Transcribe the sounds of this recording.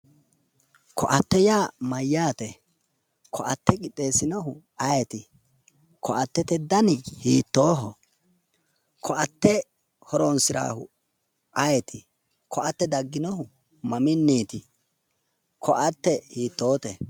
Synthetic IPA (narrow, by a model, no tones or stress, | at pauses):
kʰɔʔɐt̪ːɛjaːmɐjːaːt̪ɛ | kʰɔʔɐt̪ːɛkʼɪt̪ʼːe̞ːsɪnɔhʊ | ɐjɛt̪ɪ | kʰɔʔɐt̪ːɛt̪ɛd̪ɐnɪhiːt̪ːoːɦɔ | kʰɔɐt̪ːɛ | hɔɾonsɪɾa̰ːhʊ̰ | ʔɐjɛt̪ʰɪ | kʰɔʔɐt̪ːɛd̪ɐɡːɪnɔhʊ | mɐmɪnːiːt̪ɪ | kʰɔʔɐt̪ːɛhiːt̪ːo̞ːt̪ɛ